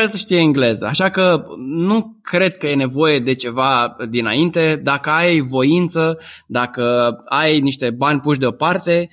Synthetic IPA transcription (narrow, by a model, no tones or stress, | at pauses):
ɾesəʃt̪ijeiŋɡle̞zə̰a̰ʃakənukɾe̞d̪̚kəje̞ne̞vo̞je̞d̪e̞t͡ʃe̞vad̪ina̰int̪e̞d̪akəajvo̞int̪səd̪akəajniʃt̪e̞banʲpuʃd̪e̞o̞part̪e̞